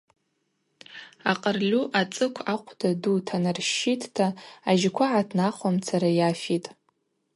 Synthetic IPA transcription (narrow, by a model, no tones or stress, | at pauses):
aqʼərlʲuʔat͡sʼɨkʷʰaqʷʰdadutʰanɨrʃitʰtʰaːʒɪkʷʰaʕatʰnaχʷamt͡sʰaɾajafitʼ